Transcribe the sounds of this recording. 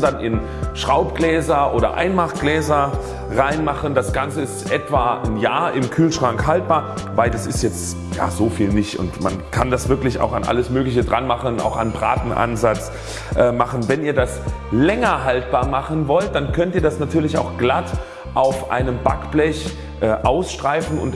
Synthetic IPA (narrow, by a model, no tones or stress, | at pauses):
danʔɪn | ʃʁ̥aʊpɡ̥lɛːzɐʔoːɾɐ̰ʔa̰ɪnmaχɡ̥lɛːzɐ | ʁaɪnmaχəndasɡ̥ant͡səɪstʔɛtv̥aːnjaːɐʔɪmkʰyːlʃʁ̥aŋkhalt̚b̥aːɐ | vaɪldasɪstjɛt͡st | ja̰ːzoːfiːlnɪçtʊ̰ntma̰nkʰandasv̥ɪɐklɪça̰ʊxanʔa̰ləsmøːklɪçədʁanmaχəna̰ʊxa̰nbʁa̰ːtn̩ʔa̰nzat͡s | ʔɛːmaχn̩vɛniːɐdaslɛŋɐɦalt̚b̥aːɐmaχən̩vɔlt̚d̥ankʰœntiːɐdasnatʰyːɐlɪça̰ʊxɡ̥lat | ʔaʊfʔa̰ɪnəmba̰kb̥lɛç | ʔɛːʔaʊsʃtʁ̥aɪfn̩ʊ̰nt